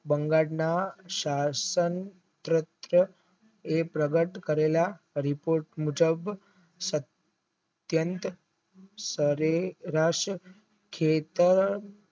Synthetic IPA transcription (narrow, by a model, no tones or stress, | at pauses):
bəŋɡaɽnaɕasən | t̪ɾət̪ɾə | epɾəɡəʈkəɾela | ɾipoɾʈmud͡ʒəb | sət̪ | jənt̪ | səɾeɾaʂə | kʰet̪əɾ